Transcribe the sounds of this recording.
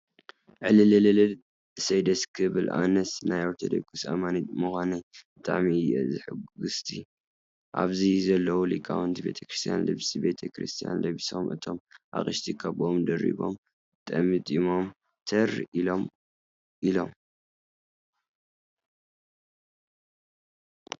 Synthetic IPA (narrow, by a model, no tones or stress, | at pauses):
ʕɨlɨlɐlɐlɨl | ɨsɐjd̪ɐskʰɨβɨlʔa̰nɐsnajoɾt̪ʰɐd̪ɐ̰kʼusa̰manit̪̚mɨxʷanɐjb̥ɨt̪ʼa̰ʕmiɨjʔɛ̰zɨħɨɡɨst̪ʰi | ʔa̰βzizɐlːɐwulikʼːa̰wɨnt̪ʰibe̞̰t̪ʰɐ̥kɾɨst̪ʰija̰nlɨ̰βsʼibe̞t̪ʰɐkʰɾɨst̪ʰija̰nlβiso̞mʔɨ̰t̪ʰo̞mʔa̰χʼɨʃt̪ʰikʰaβomd̪ɐɾḭβo̞̰m | t̪ʼɐmɨt̪ʼimo̞m | t̪ʰɐrilom | ʔilo̞m